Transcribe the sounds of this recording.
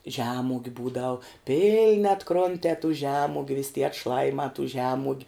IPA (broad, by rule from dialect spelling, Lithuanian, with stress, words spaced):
ˈʒʲæːmʊɡʲʊ ˈbuːdɐʊ ˈpʲɪlʲnʲɪ ɐtˈkroːnʲtʲɛː tuː ˈʒʲæːmʊɡʲʊ ʋʲɪsʲ tʲiɛ ɐtˈʃlˠɑːjɪmɑː tuː ˈʒʲæːmuɔɡʲʊ